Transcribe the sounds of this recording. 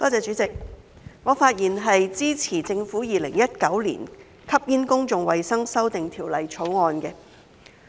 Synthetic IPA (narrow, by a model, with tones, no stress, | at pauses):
kɔː˥t͡sɛː˨˧t͡ʃyː˨˥t͡sɪ˨k̚ | ŋɔː˨˧faː˧t̚jiː˨˩nɦɐ˨jt͡siː˥t͡sʰiː˨˩t͡sɪ˧ŋfuː˨˥jiː˨lɪ̰˨˩ŋjɐ˥t̚kɐ˨˥wlḭː˨˩n | kʰɐ˥p̚jiː˥nkʊ˥ŋt͡sʊ˨ŋwɐ˨jsɐ˥ŋsɐ˥wt̪ɪ˨ŋt̪ʰiː˨˩wlɐ˨jt͡ʃʰo˨˥wŋɔː˧nkɛ˧